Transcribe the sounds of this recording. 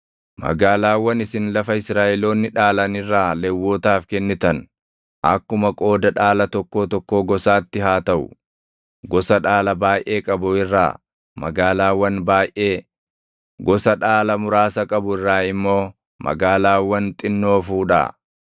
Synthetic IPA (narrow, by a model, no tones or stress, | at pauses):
mɐ̰ɡaːlaːwːɐnɪsɪnlɐfɐɪsɾaːʔɛlo̞ːnːɪᶑaːlɐnɪrːaːlɛwːoːt̪aːfkɛnːɪt̪ɐn | ʔɐ̰kːʊmɐkʼo̞ːd̪ɐᶑaːlɐt̪ɔkːo̞ːt̪ɔkːo̞ːɡɔsaːt̪ːɪɦaːt̪ɐʔʊ̰ | ɡɔsɐᶑaːlɐbaːjʔe̞ːkʼɐbʊɪrːa̰ː | mɐ̰ɡaːlaːwːɐnbaːjʔe̞ː | ɡɔsɐᶑaːlɐmʊɾaːsɐkʼɐbʊɪrːaːɪmːo̞ː | mʔɐ̰ɡaːlaːwːɐnt̪ʼɪnːo̞ːfuːᶑa̰ː